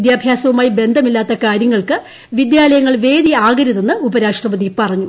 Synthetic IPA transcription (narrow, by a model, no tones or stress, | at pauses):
d̪jaːbʱjaːsɐʋumaːjibe̞nd̪ʱɐmilːaːt̪ːɐkaːɾjɐŋːɐɭkɨ | ʋid̪jaːlɐjɐŋːɐɭʋe̞ːd̪iaːɡɐɾiðenːɨubɐɾaːʂʈrɐbɐðipɐrɐɲːu